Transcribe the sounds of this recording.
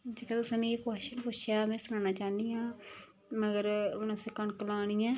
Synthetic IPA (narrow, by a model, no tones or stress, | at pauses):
t͡ʃikɛ̃ːt̪ʊsãːnĩpaːʃənpʊʃʰjaːmɛ̃ːsʊnaːnaːt͡ʃaːnijãː | məɡəɾʊnãːsekəɳkəlaːɽ̃iːɛ̃ː